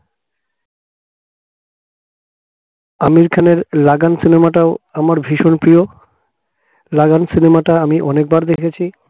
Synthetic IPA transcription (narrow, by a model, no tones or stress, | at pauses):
amiɾkʰaneɾlaɡansinemaʈaoamaɾbʱiʃonpɾio | laɡansinemaʈaamiʔɔnek̚baɾd̪ekʰet͡ɕʰi